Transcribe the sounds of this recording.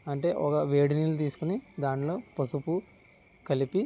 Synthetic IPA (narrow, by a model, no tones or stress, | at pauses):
ɐɳʈe̞ːʔɔkɐʋeːɽinilut̪̬iːsu̥kunid̪aːɳlo̞ːpɐsupu | kɐlipi